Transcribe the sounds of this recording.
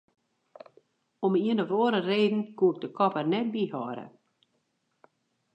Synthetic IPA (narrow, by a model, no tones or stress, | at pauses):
ɔmiənəʋoəɾəreːdn̩kuɪk̚dəkʰɔpərnɛt̚bihɔːɾə̰